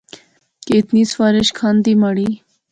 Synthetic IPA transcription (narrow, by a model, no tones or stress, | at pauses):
keːt̪niːsfaːɾɪʃkʰaːnd̪iːmaɽiː